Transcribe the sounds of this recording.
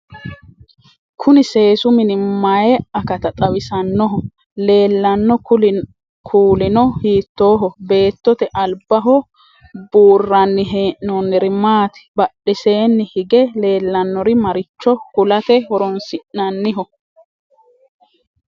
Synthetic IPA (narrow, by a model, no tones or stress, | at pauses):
kʰʊnɪse̞ːsʊmɪnɪmajɛɐkɐt̪ɐt̪ʼɐwɪsɐnːɔɦɔ | le̞ːlːɐnːɔ | kʰuːlɪnɔhiːt̪ːo̞ːɦɔbe̞ːt̪ːɔt̪ɛʔɐlbɐɦɔ | buːrːɐnːɪɦeːʔnɔnːɛɾɪmaːt̪ɪ̥bɐɗɛse̞ːnːɪhɪɡɛle̞ːlːɐnːɔɾɪmɐɾɪt͡ʃːɔhʊlɐt̪ɛhɔɾɔnsɪʔːɐnːɪɦɔ